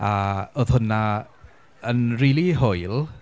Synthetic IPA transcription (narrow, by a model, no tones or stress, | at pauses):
aoːð̥hʊna | ənriːlˠiɦojlˠ